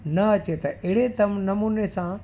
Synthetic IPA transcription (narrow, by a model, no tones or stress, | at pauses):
nɐɐt͡ɕet̪ɐʔeɦɪɽet̪ɐmnɐmuːnesã